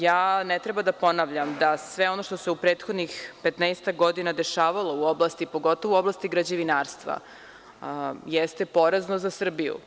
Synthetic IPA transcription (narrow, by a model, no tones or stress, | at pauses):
jaːnet̪ɾe̞bad̪apo̞naʋʎamd̪asʋe̞o̞no̞ʃt̪o̞seupɾeːt̪xo̞d̪nixpet̪nɛst̪aɡo̞d̪inad̪e̞ʃaːʋalˠo̞uo̞blˠaːst̪ipo̞ɡo̞t̪oʋouo̞blˠaːst̪iɡɾad͡ʑeʋinaːɾst̪ʋa̰ | jest̪epo̞ɾeznozasr̩bijṵ